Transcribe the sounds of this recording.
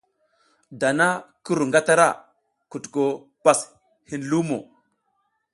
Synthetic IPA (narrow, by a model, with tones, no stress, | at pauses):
da˨na˦ku˦ɾu˨ŋɡa˦ta˦ɾa̰˦˨ | ku˨tko˨ | pa˨s | hi˨nlu˦mo̰˨